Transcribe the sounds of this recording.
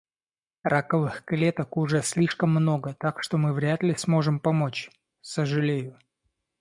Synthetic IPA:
rʔakəvɨxklʲe̞t̪əkʊʐɛsʲlʲiʂkəmːno̞ɡət̪akʂt̪o̞mɨvɾʲat̪lʲɪsmo̞ʐɨmpɐmo̞t͡ɕ | səʐɨlʲejʊ

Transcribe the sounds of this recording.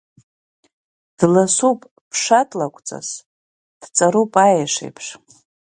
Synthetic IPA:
d̥lasupʼ | pʰʂatʼlakʷʼt͡sʼa̰s | d̥t͡sʼaɾupʼajaʂḛjpʰʂ

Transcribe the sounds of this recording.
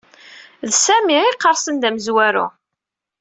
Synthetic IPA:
ðsæmiɪqːəɾˤsənd̪æməzwæɾṵ

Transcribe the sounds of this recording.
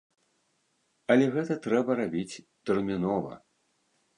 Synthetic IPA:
ɐlʲɛɣɛt̪ɐt̪ɾɛbɐɾabʲit͡sʲ | t̪ɛrmʲinɔvɐ̰

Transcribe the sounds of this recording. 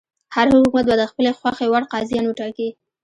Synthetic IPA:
haɾhʊʊkumat̪̚bad̪əxpəlexwaxewaɽqɑzijɑnwəʈɑki

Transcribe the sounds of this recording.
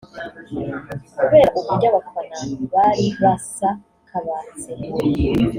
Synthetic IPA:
kuβe̞ːɾaʔuβuɟaβafanaβaɾiβasa | kʰaβaːt͡se

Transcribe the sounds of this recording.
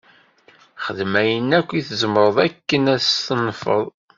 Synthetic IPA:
χəðmæjənːækʷːiθəzəmɾˤəðˤækːənæt̪ənfə̰ðˤ

